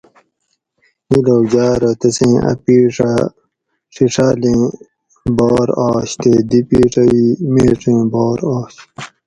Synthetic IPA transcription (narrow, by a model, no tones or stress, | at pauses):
miloːd͡ʑaːɾɐt̪ɐsẽːɐ̰piːʈ͡ʂa | ʂiʈ͡ʂaːlẽː | boːɾaːɕt̪eːd̪ipiːʈɐwimeːʈ͡ʂẽːboːɾoːɕ